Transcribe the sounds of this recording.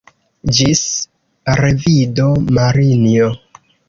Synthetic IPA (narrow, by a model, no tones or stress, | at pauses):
d͡ʒis | ɾe̞vidomaɾinio